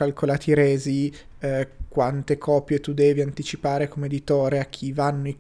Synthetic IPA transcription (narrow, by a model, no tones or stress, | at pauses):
alkʰolaːt̪iɾɛːzi | kwant̪ekʰɔːpjet̪ud̪ɛːviant̪it͡ʃipaːɾekomeːd̪it̪oːɾeak̟ʰːivanːoi